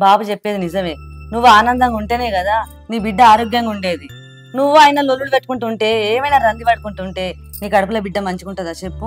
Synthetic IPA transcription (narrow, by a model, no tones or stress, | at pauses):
baːbut͡ʃepːeːd̪inizɐʋe̞ːnuʋːuaːnɐnd̪ɐŋɡuɳʈeːne̞ːkɐd̪aː | niːbiɖːɐaːɾoːɡjɐŋɡauɳɖe̞ːd̪i | nuʋːuaːjnɐlolːulupeʈːukuɳʈuːɳʈe̞ːeːmɐjnaɾɐnd̪ibɐɽukuɳʈuːɳʈe̞ː | niːkɐɽɐpulɐbiɖːɐmɐɲt͡ʃukuɳʈɐd̪ɐt͡ʃepːu